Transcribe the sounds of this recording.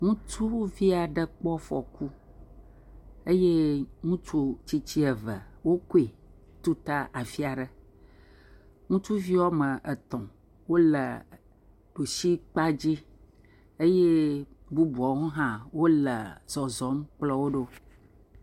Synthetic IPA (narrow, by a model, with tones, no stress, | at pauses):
ŋũ˦t͡ʃu˦vi˦a˨ɖə˦k͡pɔ˦fɔ˨ku˦ | ə˦je˦ŋũ˦t͡ʃu˦t͡ɕi˦t͡ɕi˦ə˨və̰˨wo˦ko˦i˨t̪u˦t̪a˦ʔa˨fi˦a˨ɖə˦ | ŋũ˦t͡ʃu˦vi˦wɔ˦mə˨ʔə˨t̪ɔ̃˨ | wo˦lə˨ | ɖo˨ʃi˦k͡pa˦d͡ʑi˦ | e˦je˦bu˦bu˨ɔ˨˦ɦɔ̃˦ɦã˦wo˦lə˨z̥ɔ˨zɔ˨˦mk͡plɔ˦wo˦ɖo˦